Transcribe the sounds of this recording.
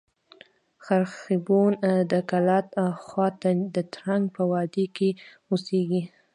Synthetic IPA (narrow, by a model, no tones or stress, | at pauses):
xaɾxɪbund̪əkalɑt̪xwɑt̪ad̪ət̪ɾaŋɡ̚pəwɑd̪eke | useɡi